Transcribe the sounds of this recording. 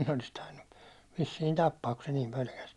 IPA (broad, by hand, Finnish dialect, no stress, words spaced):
ne olis tɑinːu ʋisːiːn tɑpːɑːk ku se niːm pølkæs